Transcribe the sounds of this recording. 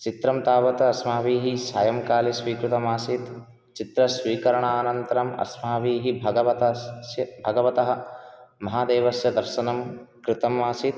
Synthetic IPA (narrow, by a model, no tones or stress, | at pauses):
t͡ʃit̪ɾɐmt̪aːʋɐt̪ɐɐsmaːʋiːɦisaːjɐmkaːlisʋiːkɾut̪ɐmaːsit̪ | t͡ʃit̪ɾɐsʋiːkɐɾɐɳaːnɐnt̪ɐɾɐmɐ̰smaːʋiːɦibʱɐɡɐʋɐt̪ɐsjɐbʱɐɡɐʋɐt̪ɐɦɐ̆mɐɦaːd̪eːʋɐsjɐd̪ɐɾʃɐnɐmkɾɪt̪ɐmːaːsit̪